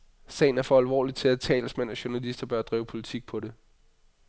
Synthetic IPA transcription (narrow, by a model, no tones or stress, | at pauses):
sɛ̰ɪn̩æɐfɒ̽ælʋɒ̰ːlit͡sʰe̝læt͡sʰɛ̰ːləsmenɒɕu̝nælisd̥ɐb̥ɶɐd̥ʁḭːʊpʰo̝lit͡sʰiɡ̥̚pʰɒ̽de̝